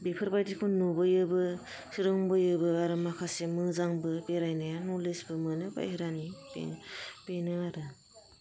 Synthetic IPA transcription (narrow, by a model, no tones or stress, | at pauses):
bepʰɯɾbajdikʰunubɯjɯbɯ | sɯɾɯŋbɯjɯbɯaɾɯmakʰasemɯzaŋbɯbeɾajnaanulesbɯmɯnɯba̰jheɾanibḛpenɯaɾɯ